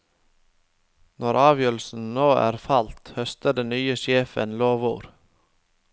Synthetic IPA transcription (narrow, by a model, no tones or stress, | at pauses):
nɔɾʔɑːʋjœːɾl̩sn̩noːʔæ̰ːɾfɑlt̪hœst̪əɖɛnnyːəʃeːfə̰nloːʋuːɾ